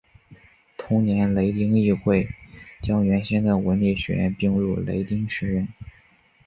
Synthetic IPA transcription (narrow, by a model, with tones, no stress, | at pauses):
t̪ʰʊ˥ŋnjɛ˧˥nle˧˥ɪt̪i˥ŋi˥˧xwe˥˩ɪt͡ɕjɑ˥ŋɥɛ˧˥nɕɛ˥nd̪ə˨˧˩wə˧˥nli˥˩ɕɥɛ̰˧˥jɛ̰˥˧npi˥˧ŋɻṵ˥˩lḛ˧˥ɪt̪i˥ŋʂɻ̩˧˥ɻə˥˩n